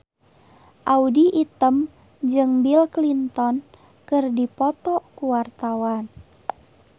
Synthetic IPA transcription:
ʔaudiʔit̪əm | d͡ʒɨŋbilklint̪ɔn | kɨrdipɔt̪ɔkuwart̪awan

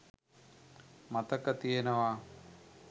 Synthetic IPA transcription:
mat̪əkət̪ijenəʋa

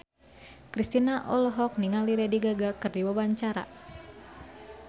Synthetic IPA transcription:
kɾist̪inaʔɔlɔɦɔk̚niŋaliɾɛdiɡaɡakɨrdiwabaɲt͡ʃaɾa̰

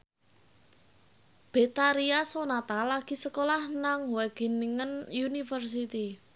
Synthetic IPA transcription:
b̥e̤t̪aɾiasonat̪alaɡ̥i̤səkolahnaŋwɛɡ̥i̤niŋənjunifərs̬it̪i

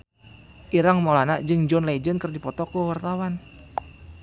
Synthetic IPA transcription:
ʔiɾaŋmalanaʔd͡ʒɨŋd͡ʒɔnlaid͡ʒənkərdipɔt̪ɔkuwart̪awan

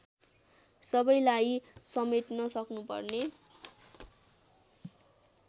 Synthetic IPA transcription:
sʌbʌjlajsʌmet̪nʌsʌknupʌ̰rne

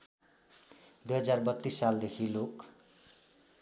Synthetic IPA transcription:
d̪ujɦʌd͡zarbʌt̪ːisːald̪ekʰilok

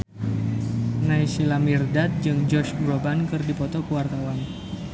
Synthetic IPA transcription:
naisilamirdat̪̚d͡ʒɨŋd͡ʒɔʃbrɔbankɨrdipɔt̪ɔkəwart̪awan

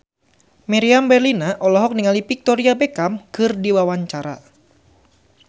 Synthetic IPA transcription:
miɾiambɛrlinaʔɔlɔɦɔk̚niŋalipik̚t̪ɔɾiabekamkɨrdiwawaɲt͡ʃaɾa̰

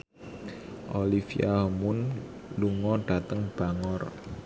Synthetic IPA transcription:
ʔolifiaɦɔmʊn | luŋɔɖ̥a̤t̪əŋb̥a̤ŋɔr

